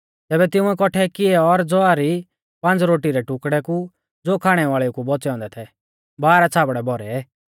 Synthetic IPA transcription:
t̪ɛːbɛt̪ɪũɛkɔʈʰɛkɪɛɔɾd͡zɔaɾi | pɐ̃nd͡zɾoːʈiɾɛʈʊkɽɛku | d͡zoːkʰaːɽ̃ɛʋaːɭɛukubɔt͡sɛɔ̃ːnd̪ɛt̪ʰɛ | baːɾat͡sʰaːbɽɛbɔɾɛɛ

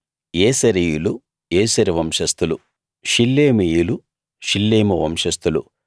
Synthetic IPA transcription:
jeːsɐɾijulu | eːsɐɾiʋɐmʂɐst̪ulu | ʃilːeːmijulu | ʃilːeːmɐʋɐmʂɐst̪ulṵ

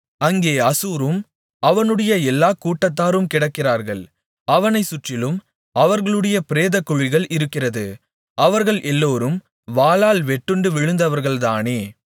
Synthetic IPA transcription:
ɐŋɡeːɐsuːɾɯm | ɐʋɐnɯɽɐjɐɛlːaːkuːʈːɐt̪ːaːɾɯmkɪɽɐkːɪraːɾɣɐɭ | ɐʋɐnɐɪsʊʈrɪlɯm | ɐʋɐɾɣɐɭɯɽɐjɐpɪɾeːðɐkːʊɻɪɣɐɭʔɪɾɯkːɪrɐðɯ | ɐʋɐɾɣɐɭʔɛlːoːɾɯm | ʋaːlaːlʋɛʈːɯɳɖɯʋɪɻɯnd̪ɐʋɐɾɣɐɭt̪aːneː

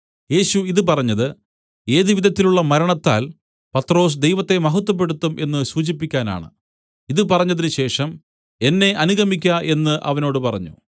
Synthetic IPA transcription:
je̞ːɕuiðɨp̬ɐrɐɲːɐðɨ | e̞ːðiʋidðɐt̪ːiluɭːɐmɐɾɐɳɐt̪ːa̰ːl | pɐt̪ːro̞ːs̬d̪e̞jʋɐt̪ːe̞mɐɦɐt̪ːwɐp̬ːe̞ɽut̪ːumʔe̞nːɨsuːt͡ɕipːikʲːaːna̰ːɳɨ̰ | iðɨpɐrɐɲːɐðinɨɕe̞ːʂɐm | e̞nːe̞ʔɐnuɣɐmikʲːɐʔe̞nːɨʔɐ̰ʋɐno̞ːɽɨpɐrɐɲːṵ

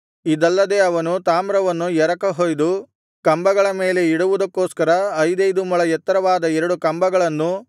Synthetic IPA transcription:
id̪ɐlːɐd̪e̞ːɐʋɐnut̪aːmɾɐʋɐnːujɛɾɐkɐɦojd̪u | kɐmbɐɡɐɭɐme̞ːle̞iɽuʋud̪ɐkːoːskɐɾɐɐjd̪ɐjd̪umuɭɐjɛt̪ːɐɾɐʋaːd̪ɐɛɾɐɽukɐmbɐɡɐɭɐnːu

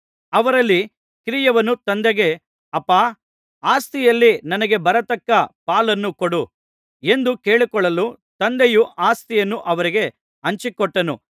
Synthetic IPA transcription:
ɐʋɐɾɐlːi | kɾijɐʋɐnːut̪ɐnd̪ɛɡe̞ | ɐpːaː | aːst̪ijɐlːinɐnɐɡe̞bɐɾɐt̪ɐkːɐpaːlɐnːukɔɽu | e̞nd̪ukeːɭikɔɭːɐlu | t̪ɐnd̪ejuʔaːst̪ijɐnːuʔɐʋɐɾiɡe̞ | ɐɲt͡ʃikɔʈːɐnu

